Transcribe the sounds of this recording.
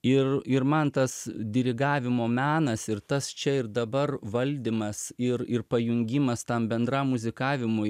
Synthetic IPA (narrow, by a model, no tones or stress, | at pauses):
ɪrɪɾmɐnt̪ɐsd̪ʲɪɾʲɪɡɑːʋʲɪmoːmʲæːnɐsɪɾt̪ɐst͡ʃʲɛɪrd̪ɐbɐrʋɐlʲd̪ʲɪmɐsɪrɪrpɐjʊŋʲɡʲɪmɐst̪ɐmbʲɛnd̪ɾɐmmʊzʲɪkɑːʋʲɪmʊ